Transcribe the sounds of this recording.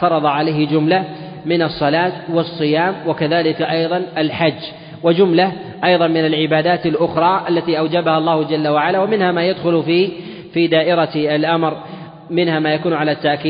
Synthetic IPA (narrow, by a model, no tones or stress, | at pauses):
tɑɾˤɑðˤɑʕalajhɪd͡ʒʊmla | mɪnɑsˤːɑlaːt̪wɑsˤːɨjaːmwakaðaːlɪkaʔɑjðˤɑnalħad͡ʒː | wad͡ʒʊmla | ʔɑjðˤɑnmɪnalʕɪbaːd̪aːt̪alʔʊxɾˤɑːʔalːat̪iːʔawd͡ʒabahɑlˤːɑːhʊd͡ʒalːawaʕalaːwamɪnhaːmaːjad̪xʊlfiː | fiːd̪aːʔɪɾaalʔamɾ | mɪnhaːmaːjakuːnʕalat̪ːaʔkiː